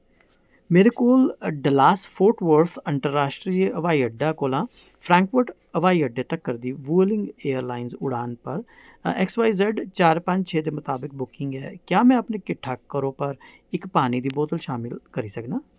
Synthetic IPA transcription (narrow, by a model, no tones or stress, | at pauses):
meːɾekoːlɖəlaːsfʰoːʈʋəɾt̪ʰə̃ɳʈəɾːaːʃʈɾiəʋaːiəɖːaːkoːlãː | pʰɾãːŋkʋəɾʈ | əʋaːiəɖːet̪əkːəɾd̪iːʋuːlɪ̃ŋɡeːəɾlaːɪnzʊɽaːnpəɾ | ɛksʋaːɪzɛɖt͡ʃaːɾpə̃ɲd͡ʒt͡ʃʰeːd̪eːmʊt̪aːbɪk̚bʊkɪ̃ŋɡɛ̰ːkjaːmɛ̃əpneːkɪʈʰːaːkːəɾõːpəɾ | ɪkpaːnid̪iːbɔːt̪əlʃaːmɪlkəɾiːsəknaː